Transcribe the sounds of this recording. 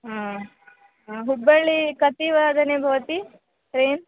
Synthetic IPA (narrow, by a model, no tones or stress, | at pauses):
ɦaː | ɦubːɐɭikɐt̪iʋaːd̪ʱɐnebʱɐʋɐt̪i | ɾeːn